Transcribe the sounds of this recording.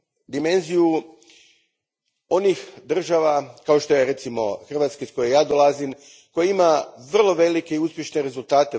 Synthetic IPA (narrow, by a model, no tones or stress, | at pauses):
d̪ime̞nziju | o̞nixd̪r̩ʒaʋakaoʃt̪o̞jeɾe̞t̪simo̞xr̩ʋaːt̪skesko̞jejaːd̪olazim | ko̞jeimaʋr̩lˠo̞ʋe̞like̞iuspʲjeʃneɾe̞zulˠt̪aːt̪e